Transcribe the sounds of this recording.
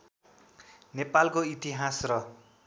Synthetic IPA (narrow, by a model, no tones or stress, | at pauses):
nepalkoit̪iɦasrʌ